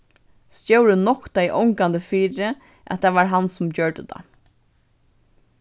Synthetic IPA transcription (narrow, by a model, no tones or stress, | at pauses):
st̪jowɾənɔkt̪ajʔɔŋkand̪əfiːɾɪ | ʔæ̰t̪ʰːaːʋaɹɦansʊmt͡ɕœɹɖə̰d̪a̰